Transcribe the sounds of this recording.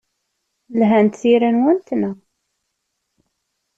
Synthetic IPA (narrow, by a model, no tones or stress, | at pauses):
lɦænt̪θiɾænwənt̪næ